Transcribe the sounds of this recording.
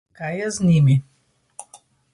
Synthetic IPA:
kajɛznʲimi

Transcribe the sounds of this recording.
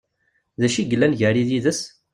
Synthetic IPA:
ðæʃiɡəlːænʝəɾiðiðəs

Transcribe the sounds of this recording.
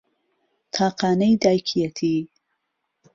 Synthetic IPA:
t̪ʰɑːqɑːnajd̪ɑjkʰijat̪ʰi

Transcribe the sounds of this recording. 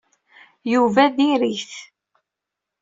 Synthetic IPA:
juvæðiɾiçθ

